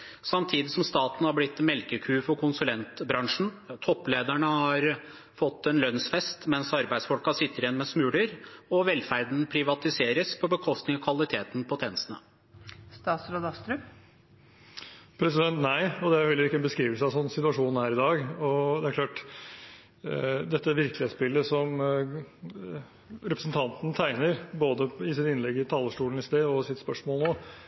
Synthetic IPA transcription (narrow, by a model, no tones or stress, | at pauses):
sɑmt̪ʰiːd̪ɪsɔmst̪ɑːt̪n̩hɑɾblɪt̪ːmɛlkəkʰʉːfɔɾkʰʊnsʉlɛnt̪bɾɑŋʂɳ̩ | t̪ʰɔpːleːd̪æɳəhɑɾ | fɔt̪ːɛnlœnsfɛst̪mɛnsɑɾbæɪd̪sfɔlkɑsɪt̪ːəɾɪɛnmɛsmʉːləɾɔʋɛlfæɾd̪n̩pʰɾɪʋɑt̪ɪseːɾəspʰɔbəkʰɔst̪nɪŋɔkʰʋɑlˠɪt̪ʰeːt̪npʰɔt̪ʰɛːnəsənə̰ | st̪ɑːt̪sɾod̪ɑst̪ɾʉm | pʰɾɛsɪd̪ɛnt̪næɪɔd̪ɛæɾhɛlːəɾɪkːəɛnbəskɾiːʋəlsəɑʋsɔnːsɪt̪ʉɑʂuːnhæːɾɪd̪ɑːɡɔd̪ɛæɾkʰlɑːʈ | d̪ɛt̪ːəʋɪɾkəlɪeːt̪sbɪlːəsɔm | ɾɛpɾəsn̩t̪ʰɑnt̪n̩t̪ʰæɪnəɾboːd̪əɪsɪt̪ɪnlɛɡɪt̪ʰɑːləʂʈuːlɳ̩ɪst̪eːɔsɪt̪spœʂmoːlnoː